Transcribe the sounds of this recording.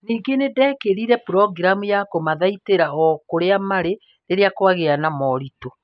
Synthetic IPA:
niːɡenedɛkeɾiɾɛpɾɔɡɾamujakomaðaiteɾaɔkoɾeamaɾe | ɾeɾeakwaɣeanamɔɾito

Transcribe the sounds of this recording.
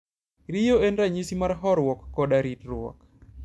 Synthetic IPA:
ɾijoenɾaɲisimarɦɔɾwɔkːɔɗaɾitɾwɔ̰k

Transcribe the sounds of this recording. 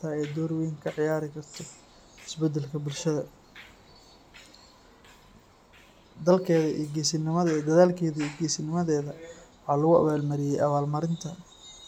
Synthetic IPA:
t̪ʰɐɛːd̪ɔːɾwɛjŋkʰɐʕɪjaːɾɪkʰɐrt̪ʰɔ | ɪsbɛd̪ːɛlkʰɐbʊlʃɐðɐ | d̪ɐlkʰɛːðɐʔḭːɡɛːsɪnɪmɐðɐd̪ɐðaːlkʰɛːðɐiːɡiːsɪnɪmɐðɛːðɐwɑħɑːlɐɣʊɐ̰βaːlmɐɾɪjɛjɐβaːlmɐɾɪnt̪ʰɐ

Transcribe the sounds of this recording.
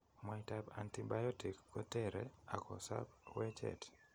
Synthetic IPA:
maitaba̰ntibajɔtikːɔtɛɾɛakɔsa̰bwɛt͡ʃɛ̰t

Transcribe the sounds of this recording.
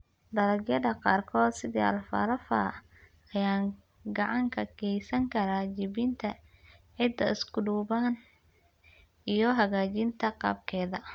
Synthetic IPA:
d̪ɐlɐɡjɐdɐqɑːrkʰɔːd̪sɪðḭɐ̰lfɐ̰ɾɐfa̰ | ɐjaːŋ | ɡɑʕɑŋkʰɐkʰɛjsɐŋkʰɐɾaːt͡ʃɪβɪnt̪ʰɐʕɪd̪ɐ̰ɪskʰʊɖuːβaːn | ʔijɞɦɐɣaːt͡ʃɪnt̪ʰɐqɑ̰ːb̚kʰɛːðɐ

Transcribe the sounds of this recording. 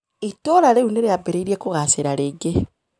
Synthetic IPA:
itoɾaleuneɾeabeɾeiɾiekuɣaseɾaɾeɡe

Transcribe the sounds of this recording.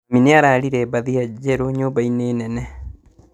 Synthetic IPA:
mineaɾaɾiɾɛbaðiad͡ʑɛɾoɲoːmbaineːnɛnɛ

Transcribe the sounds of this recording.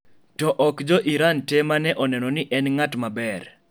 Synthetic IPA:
tɔʔɔkd͡ʒɔʔiɾantemanɛʔɔnɛnɔnɪʔɛnŋatmabɛr

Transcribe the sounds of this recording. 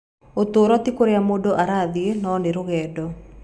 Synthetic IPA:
ot̪oːɾɔt̪ikoɾeamodoʔaɾaðienɔneɾoɣɛːdɔ

